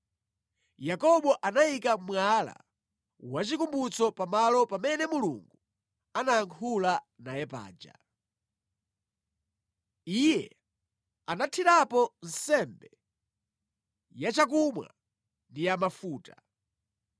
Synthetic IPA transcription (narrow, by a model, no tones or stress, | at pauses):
jakɔɓɔʔanaikamwala̰ | wat͡ʃikumbut͡sɔpamalɔpamɛnɛmuluŋɡu | anaːŋkʰula | najɛpa̰ːd͡ʒa̰ | ijɛ̰ | anatʰiɾapɔn̩sɛmbɛ | jat͡ʃak̬umwa̰ | ndijamafuːta